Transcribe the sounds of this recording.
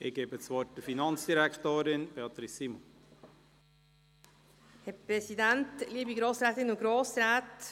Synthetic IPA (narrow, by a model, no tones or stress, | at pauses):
ɪɡ̥eːbət͡sʋɔːt̚dəfinɑnt͡sd̥iɾæktoːɾɪnb̥eɑt̪ɾisimɔ | hɛpɾɛsidɛntliːbiɡɾoːsɾɛːt̪ɪnʊɡ̥ɾoːsɾɛːt